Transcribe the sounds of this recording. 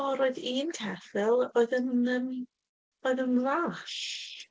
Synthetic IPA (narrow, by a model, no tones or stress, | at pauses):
ɔɾoɨðiːntʰɛθɪlˠoɨðənəm | oːɨðənlaːɬ